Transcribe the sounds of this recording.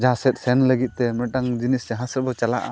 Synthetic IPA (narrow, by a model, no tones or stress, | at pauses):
d͡ʒaasɛt̪̚sɛnləɡit̪̚t̪ɛmɛʈaŋd͡ʒinistɛɦãsəɾ̚bɔt͡ʃalaʔa̰